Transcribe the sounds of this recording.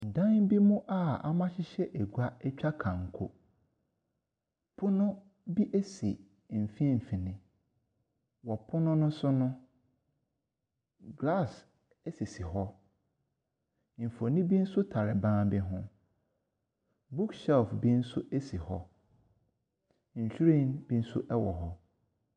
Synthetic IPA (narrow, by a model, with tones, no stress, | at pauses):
n̩˨dã˦nbi˦mʊ̃˦ʔa˦a̰˦mã˦ɕɪ˦ɕɛ˦ʔe˨ɡu˨a˦ɛ˦t͡ɕᶣa˦kʰã˨ŋ̩˨kʰʊ˨ | pʰʊ˦nʊ̃˦ | bi˦ʔe˦si˨ | m̩˨fi˦ɛ˦˨m̩˨fĩ˨nɪ̃˨ | wɔ˨pʰʊ˦nʊ̃˦nʊ̃˦sʊ˦nʊ̃˦ | ɡla˦˨s | ɛ˦si˨si˨ɦɔ˦ | m̩˨fo˨nĩ˦bi˦n̩˦sʊ˦tʰa˨ɾɪ˨bãː˦bɪ˦ɦʊ̃˦ | bu˦ksɛ˦lfbi˦n̩˦sʊ˦ʔe˦si˨hɔ˦ | ɲ̩˨ɕᶣu˦ɾĩ˦˨nbi˦n̩˦sʊ̰˦ʔɛ˦wɔ˨ɦɔ˦